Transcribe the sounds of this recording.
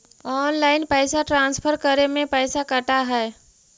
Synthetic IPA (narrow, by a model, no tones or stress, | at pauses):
ɔːnlaːɪnpɛːsaʈɾãːnspʰəɾkəɾemẽpɛɪsakəʈaɦɛː